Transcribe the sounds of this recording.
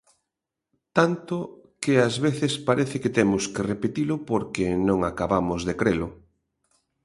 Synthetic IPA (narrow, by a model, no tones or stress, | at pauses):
t̪ant̪ʊ | kɪazβeθɪspaɾɛθɪket̪emʊskerepet̪ilʊpoɾkenõŋakaβamʊzðekɾelʊ